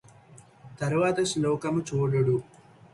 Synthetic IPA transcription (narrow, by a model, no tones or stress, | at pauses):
t̪ɐɾuʋaːt̪ɐslɔːkɐmut͡ʃuːɽuɽu